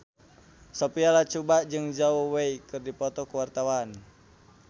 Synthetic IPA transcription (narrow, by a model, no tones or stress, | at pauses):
sɔpialat͡ʃubaʔd͡ʒɨŋd͡ʒawɔweikɨrdipɔt̪ɔkuwart̪awan